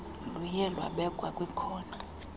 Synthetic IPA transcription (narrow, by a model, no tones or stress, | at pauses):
lujɛlwa̰ɓɛkʼwakʼwikʰɔːna